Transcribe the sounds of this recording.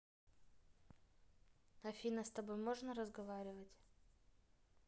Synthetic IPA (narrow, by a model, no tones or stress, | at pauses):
ɐfʲinəst̪ɐbo̞jmo̞ʐnəɾəzɡɐvaɾʲɪvətʲ